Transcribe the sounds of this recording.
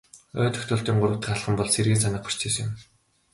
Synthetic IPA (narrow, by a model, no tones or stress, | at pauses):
œ̰ːt̪ɵ̥xt̪ʊːɬt̪iːŋɢʊrə̆t̪ə̆χaɮχə̆mpɔɮserɣeːnsanə̆χ̚pḁr̥t͡ɕʰeːsʊ̰̆m